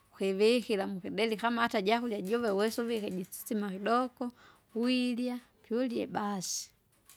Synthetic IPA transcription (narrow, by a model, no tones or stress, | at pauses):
kiβixilamukidɛlikamahataɟakuljaɟɔvɛwɛsuvikɛɟisi̥t͡simakidɔkɔ | wilja | puɔljɛ̰basi̥